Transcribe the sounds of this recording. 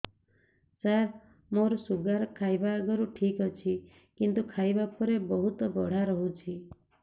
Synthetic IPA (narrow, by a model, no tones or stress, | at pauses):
saɾ | moɾɔsuɡaɾkʰajbaɡɔɾuʈʰikɔt͡ʃʰi | kint̪ukʰajbapʰɔɾebɔɦut̪bɔɽ̤aɾɔɦũt͡ʃʰi